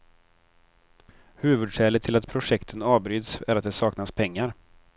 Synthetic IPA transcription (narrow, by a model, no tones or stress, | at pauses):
hʉ̟ːvɵd̪ʂɛːlət̪ʰːɪlat̪pʰɾʊʂɛkt̪ʰənɑːvbɾyːd̪sæɾat̪̚d̪ɛsɑːknaspʰɛŋːaɾ